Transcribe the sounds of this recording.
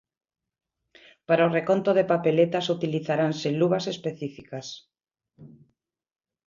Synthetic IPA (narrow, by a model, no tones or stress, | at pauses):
paɾaorekont̪oð̞epapelet̪asut̪iliθaɾanseluβasespeθifikas